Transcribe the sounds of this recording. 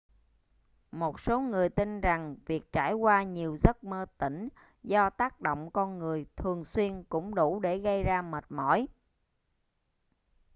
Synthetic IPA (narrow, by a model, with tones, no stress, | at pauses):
mo˨˩t̚so˨˦ŋɨ˨˩əjt̪i˧nza˨˩ŋvi˨˩ək̚t͡ɕa̰ː˧˩jkwaː˧ɲi˨˩əwzə˦˥t̚məː˧t̪ḭ˧˩ŋ̟ | zɔ˧t̪aː˦˥k̚ɗo̰˧˨wŋ͡mkɔ˧nŋɨ˨˩əjt̪ʰɨ˨˩əŋswi˧ənkʊ̰˧˥ŋ͡mɗu˧˩˥ɗe˧˩ɣə˧jzaː˧mə˨˩t̚mɔ̰˧˥˦j